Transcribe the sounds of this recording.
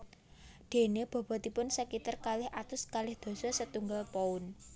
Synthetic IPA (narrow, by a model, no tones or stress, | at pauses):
d̪̥e̤neb̥ɔ̤b̥ɔ̤t̪ipʊnsəkit̪ərkalɪhʔat̪ʊskalɪhd̪̥o̤sɔsət̪uŋɡalpoʊn